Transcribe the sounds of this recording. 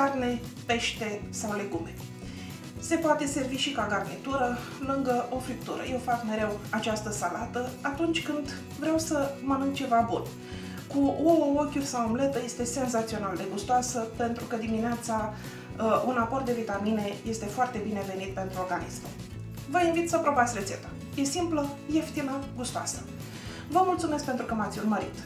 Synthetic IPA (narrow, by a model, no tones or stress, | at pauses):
karne̞pe̞ʃt̪e̞sawle̞ɡume̞ | se̞poat̪e̞se̞rviʃikaɡarnit̪uɾə | lɨŋɡəʔo̞fɾik̚t̪uɾə̰je̞wfakme̞ɾe̞wat͡ʃast̪əsalat̪əat̪unt͡ʃʲkɨnd̪ | vɾeawsəmənuŋt͡ʃe̞vabṵn | kuookʲurʲsawomle̞t̪əje̞st̪e̞se̞nzat̪sio̞nald̪e̞ɡust̪oasəpe̞nt̪ɾukəd̪imineat̪sa | unapo̞rt̪̚d̪evit̪amine̞je̞st̪e̞foart̪e̞bine̞ve̞nit̪̚pe̞nt̪ɾuo̞rɡanḭsmu | vəinvit̪səpɾo̞bat̪sʲre̞t̪se̞̰t̪a | je̞simpləjeft̪inəɡust̪oa̰sə̥ | vəmult̪sume̞skpe̞nt̪ɾukəmat̪sʲurməɾḭt̪